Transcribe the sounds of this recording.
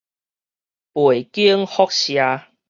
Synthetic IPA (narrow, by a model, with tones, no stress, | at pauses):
pwe˨˩jki˦əŋhɔ˦k̚ɕja˧